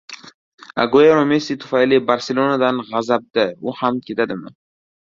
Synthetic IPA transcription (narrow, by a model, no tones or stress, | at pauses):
a̰ɡojaɾomesit̪ʰʊ̥fajlɪbaɾselˠonad̪anʁazab̚d̪aʊhamkʲʰe̞t̪ʰad̪ɪmɪ